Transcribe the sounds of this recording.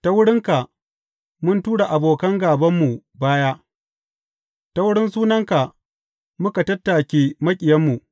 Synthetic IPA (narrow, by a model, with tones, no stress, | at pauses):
ta˦wʊ˦ɽɪ˦ŋka˨ʔ | mʊ˦ntuː˦ɽa˨ʔa˨boː˨kɐ˦ŋɡaː˨bɐ˦mːu˨baː˦jaː˦ʔ | ta˦wʊ˦ɽɪ˦nsuː˦nɐ˦ŋka˨ʔ | mʊ˦ka˨tɐ˦tːaː˨kʲeː˦mɐ˦kʲʼɪ˨jɐ˦mːu˨ʔ